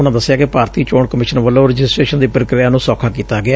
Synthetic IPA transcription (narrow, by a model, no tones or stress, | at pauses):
ʊnãːd̪əsːɪjaːkɪpaːɾt̪iːt͡ʃoːɳkəmɪʃənʋəloːɾɪd͡ʒɪsʈɾeːʃənd̪iːpəɾɪkɾɪjaːnũːsɔːkʰaːkiːt̪aːɡɪaː